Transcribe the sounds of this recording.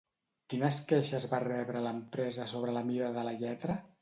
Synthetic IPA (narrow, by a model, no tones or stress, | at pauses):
k̪inəskeʃəzβarɛβɾələmpɾɛzəsoβɾələmiɾəðələʎɛt̪ɾə